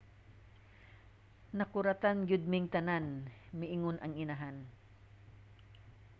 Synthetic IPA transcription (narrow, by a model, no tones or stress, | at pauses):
nɐkʊɾat̪anɡʊd̪̚mɪŋt̪ɐnanmɪʔɪŋonɐŋɪnaɦan